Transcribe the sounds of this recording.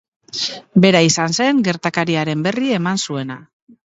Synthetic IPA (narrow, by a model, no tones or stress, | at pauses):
be̞ɾaisanse̞ŋɡe̞ɾt̪akaɾiaɾe̞mbe̞rie̞mansue̞na